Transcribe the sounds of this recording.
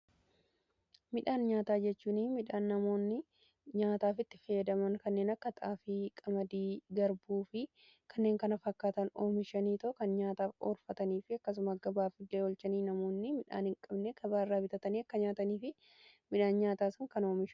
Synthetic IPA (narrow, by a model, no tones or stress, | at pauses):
mɪᶑaːnɲaːt̪aːd͡ʒɛt͡ʃːuːniːmɪᶑaːnːɐmo̞ːnːɪ | ɲaːt̪aːfɪt̪ːɪ̥feːd̪ɐmɐŋkɐnːe̞ːnɐkːɐt̪ɐaːfɪkʼɐmɐd̪iːɡɐɾbuːfɪ | kʰɐnːe̞ːŋkɐnɐfɐkːaːt̪ɐnoːmɪʃɐniːt̪ɐʔkɐnɲaːt̪aːfo̰ːɾfɐt̪ɐniːfɪɐkːɐs̬ʊmaɐɡɐbaːfɪd̪ːeːɔlt͡ʃɐniːnɐmo̞ːnːɪmɪᶑa̰ːnhɪŋkʼɐbneɡɐbaːɪrːaːbɪt̪ɐt̪ɐniːɐkːɐɲaːt̪ɐniːfɪ | mɪᶑaːnɲaːt̪aːsɐŋkɐno̞ːmɪʃ